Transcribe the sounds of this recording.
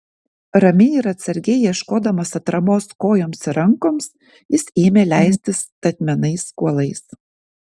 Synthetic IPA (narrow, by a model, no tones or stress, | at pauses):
ɾɐmʲɛɪɾɐt̪sɐɾʲɡʲɛjiɛʃkoːd̪ɐmɐsɐt̪ɾɐmoːskoːjoːmsɪɾɐŋkoːms | jɪseːmʲeːlʲæˑɪsʲt̪ʲɪst̪ɐt̪ʲmʲɛnɐɪskuɔlˠɐɪs